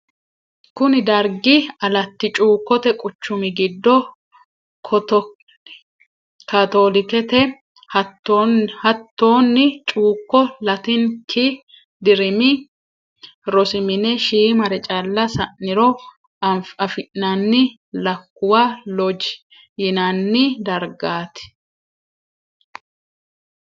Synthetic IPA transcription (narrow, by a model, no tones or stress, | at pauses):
kʊnɪd̪ɐɾɡɪɐlɐt̪ːɪt͡ʃʼuːkːɔt̪ɛkʼʊt͡ʃːʊmɪɡɪd̪ːɔ | kʰɔt̪ɔ | kat̪oːlɪkɛt̪ɛ | hɐt̪ːohɐt̪ːo̞ːnːɪt͡ʃʼuːkːɔlɐt̪ɪŋkʰɪ | d̪ɪɾɪmɪ | ɾɔsɪmɪnɛʃiːmɐɾɛt͡ʃʼɐlːɐsɐʔɪɾɔ | fɐfɪʔnɐnːɪ | lɐkːʊwaːlɔd͡ʒ | jɪnɐnːɪd̪ɐɾɡaːt̪ɪ̥